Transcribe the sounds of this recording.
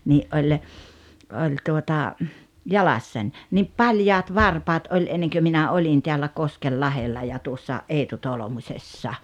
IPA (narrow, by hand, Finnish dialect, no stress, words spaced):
niʔ ʔolʲ olʲ tuotɑ jɑlɑsːɑnʲ niːp pɑljɑːt ʋɑrpɑːt ʔolʲ enːeŋkø minæ olʲin teælːæ koskelːɑhelːɑ jɑ tuosːɑ ʔeːtu tolŏmusʲesːɑ